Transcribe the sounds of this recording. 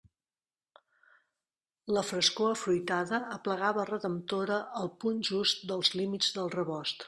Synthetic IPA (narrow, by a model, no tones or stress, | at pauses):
ləfɾəskoəfɾujt̪aðəːpləɣaβərəðəmt̪oɾəʔəlˠpunʒust̪̚d̪əlˠzlimid͡zd̪əlˠrəβɔst̪